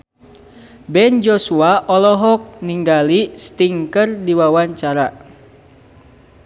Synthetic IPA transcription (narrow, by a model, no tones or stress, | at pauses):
bɛnd͡ʒɔsuaʔɔlɔɦɔk̚niŋɡalist̪iŋkərdiwawaɲt͡ʃaɾa